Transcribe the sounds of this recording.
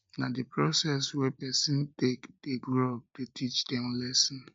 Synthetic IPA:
nadepɾɔsɛswɛpɛsĩntekd̥eɡɾɔp̚detʰit͡ʃdɛmlɛsɔ̃n

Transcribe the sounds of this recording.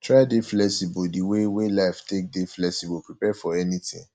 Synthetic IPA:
tʰɹaɪdeflɛksibodiwewelaɪftʰek̚deflɛksibopʰɹipɛfɔɛnitʰɪ̰̃ŋ

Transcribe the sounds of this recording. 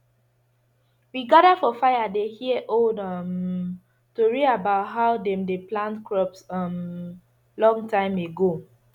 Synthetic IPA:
wiɡadafɔfaɪjadehiɛʔodʌm | toɹiabaʊtɦaʊdɛ̃mdeplãntkʰɹɔpsʌm | lɔ̃ŋtʰãɪ̃meɡo

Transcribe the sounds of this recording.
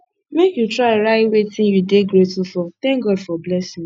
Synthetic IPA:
mekjutɾaɾaiwetĩjudeɡɾetufɔt̪ɛ̃ŋkɡɔdfɔblɛsĩ

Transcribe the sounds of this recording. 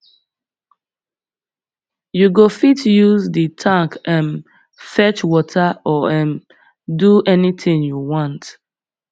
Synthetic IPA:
juɡofitjuzditʰãŋkɛ̃n | fɛt͡ʃwɔtʰaʔɔɛ̃n | duɛnitʰɪ̃ŋjuwɔ̃nt

